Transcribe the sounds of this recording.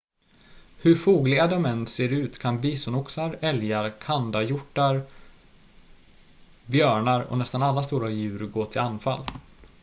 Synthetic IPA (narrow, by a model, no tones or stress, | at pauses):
hɵɾfuːɡlɪɡad̪ɔmɛnːseːɾʉ̟ːt̪kʰanbiːsʊnʊksaɾɛljaɾkʰand̪ajʊʈːaɾ | bjœːɳaɾɔ̰nɛst̪analːas̬t̪uːɾajʉ̟ːɾɡoːt̪ʰɪlanːfa̰lː